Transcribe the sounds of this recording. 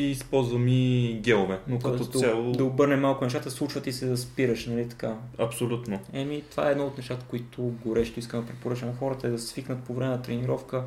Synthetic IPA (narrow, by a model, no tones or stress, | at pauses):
iːspɔlˠzvəmiɡʲɛlˠovɛnokɐɔt̪salˠod̪ɐobɤɾnɛmalˠkʊnɛʃt̪at̪əslˠut͡ʃvət̪isɛd̪ɐspiɾəʃnɐlit̪ɐ̥kaɐpsolʲut̪noɛmit̪ova̰ɛːd̪nɔot̪nɛʃt̪at̪ə̥koit̪ʰʊɡoɾɛʃt̪oiskənd̪ɐpɾɛpoɾɤt͡ʃənɐxɔɾət̪əɛd̪ɐsviknət̪̚povɾɛmɛnɐt̪ɾɛniɾɔfkə